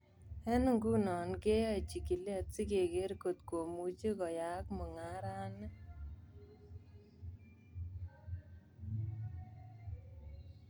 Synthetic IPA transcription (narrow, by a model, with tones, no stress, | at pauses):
ɛ˦nu˨ŋɡu˦nɔ˨nke˦ja˦˨t͡ʃi˨ki˨lja˦t̚si˦ke˨ke˦ɾko˨t̪ko˨mu˨t͡ʃi˦kɔ˨ja˨˦kmɔ˨ŋa˦ɾa˦nɛ˦